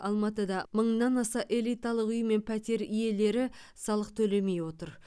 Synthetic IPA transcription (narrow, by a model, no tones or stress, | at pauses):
ɑlˠmɑt̪əd̪ɑməɴnɑnɑsɑʔe̞lˠijt̪ɑlˠəqʏjme̞npʰæt̪e̞ɾije̞le̞ɾɪ | sɑlˠəqt̪ʰɵle̞me̞jwo̞t̪əɾ